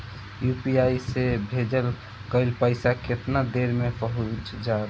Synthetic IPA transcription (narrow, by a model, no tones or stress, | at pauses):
jupiaisebʱed͡ʒəl | kəɪlpəɪsaket̪nad̪eɾmepəɦut͡ʃd͡ʒa